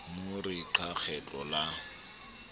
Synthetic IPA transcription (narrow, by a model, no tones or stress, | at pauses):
mʊrɪǃʰak͡xʰɛt͡ɬʼɔla